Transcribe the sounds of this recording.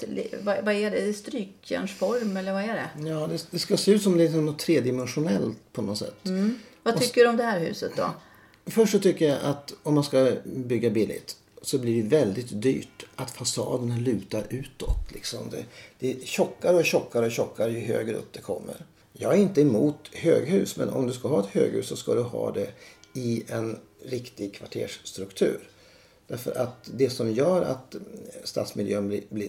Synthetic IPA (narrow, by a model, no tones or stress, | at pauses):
vavaɛɖɛst̪ɾyːkjæ̰ɳʂfɔɾmɛlːəɾvaɛɖɛ̰jɑːd̪ɛd̪ɛskaseːʉːt̪sɔmd̪ɛsɔmnɔt̪ʰːɾeːd̪ɪmɛnɧʊnɛlt̪pʰɔnɔt̪sɛ̰t̪ːvat̪ʏkːəɖɔmd̪ɛhæːɾɦʉ̟̰ːsət̪d̪ɔ̰ | fœʂʂɔt̪ʰʏkːəjaʔat̪ɔmːanskabʏɡːabɪlːɪ̰t̪ | sɔɛbliːɖɛvɛld̪ɪt̪d̪y̰ːʈʔat̪fasɑ̰ːd̪əɳalʉ̟ːt̪aɾʔʉ̟ːt̪ɔt̪ːlɪksɔ̰md̪ɛ̰d̪̥ɛɕɔkːaɾəɔɕɔkːaɾəɔɕɔkːaɾjɵɦø̰ːɡɾəɵ̰p̚d̪ɛkʰɔmːə̰ɾ | jɑːɡæɾɪnt̪əɛmuːt̪høːɡhʉ̟ːsmɛ̰nɔ̰md̪ɵskaɦɑːɛt̪hø̰ːɡhʉ̟ːssɔskad̪ɵhɑ̰ːd̪ɛɪɛn | ɾɪkt̪ɪɡkʰvaʈʰeːʂst̪ɾɵkt̪ʰʉ̟ːɾ | d̪̥æɾfœ̰ɾʔat̪d̪ɛsɔmjœːɾa̰t̪st̪a̰ːt̪smɪljøːnblɪblɪ